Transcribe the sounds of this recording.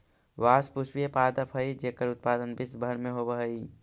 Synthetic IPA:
ʋaːspuspiepaːd̪əpʰɦəid͡ʒekəɾʊt̪̚paːd̪ənbɪsbʱəɾmẽɦobəɦəi

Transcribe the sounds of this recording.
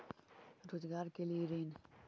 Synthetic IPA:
ɾoːzɡaːɾkelieɾiːn

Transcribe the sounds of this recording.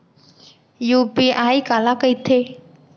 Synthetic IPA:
juːpiaːikaːlakəit̪ʰeː

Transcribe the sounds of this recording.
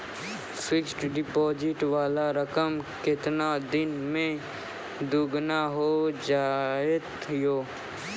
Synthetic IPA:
sɪksʈɖɪpɔːd͡ʒɪʈʋaːlaɾəkəmkɪt̪nad̪ɪnmẽ | d̪uɡnaɦod͡ʒaːet̪ | joː

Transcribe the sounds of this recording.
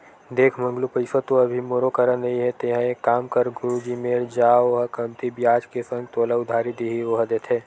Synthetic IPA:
d̪eːkʰmɐ̃ŋɡlupɐɪsət̪oɐbʱimoɾokəɾənɐiɦɛt̪eːɦãekaːmkəɾɡʊɾud͡ʒimeːɾd͡ʒaːoɦɐkɐmt̪ibjaːd͡ʒkesə̃ŋɡt̪oːlaʊd̪ʱaːɾid̪eɦioɦɐd̪et̪ʰeː

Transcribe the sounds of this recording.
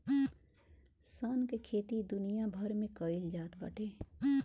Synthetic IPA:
saːnkekʰeːt̪id̪ʊnijabʱɐɾmẽkəɪld͡ʒaːt̪bɐ̰ʈʰeː

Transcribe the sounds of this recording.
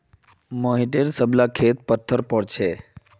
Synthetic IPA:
moɦiʈeɾsəblakʰet̪̚pət̪ʰːəɾpəɽt͡ʃʰe

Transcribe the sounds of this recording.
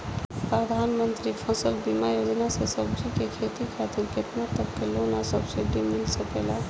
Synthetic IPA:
pɾəd̪ʱanmənt̪ɾipʰəsəlbimajod͡ʒnasesəbd͡ʒikekʰet̪ikʰat̪iɾket̪nat̪əb̚kelonasəbsiɖimilsəkela

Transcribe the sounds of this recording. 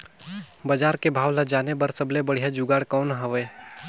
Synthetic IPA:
bəd͡ʒaːɾkebʱaːwləd͡ʒaːnebəɾsəblebəɽ̤ijad͡ʒuɡaːɽkɔːnɦəʋɛː

